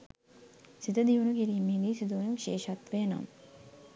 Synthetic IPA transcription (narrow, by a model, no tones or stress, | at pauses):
sit̪əd̪iʋunukiɾiːmiːɡiːsid̪uʋunuʋiʃeːʃat̪ʋeːno̰m